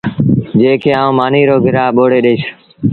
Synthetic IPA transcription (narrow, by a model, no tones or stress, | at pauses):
d͡ʒeːkʰeːãːũːmaːniːɾoːɡʱɪɾaːɓoːɽeːɗeːs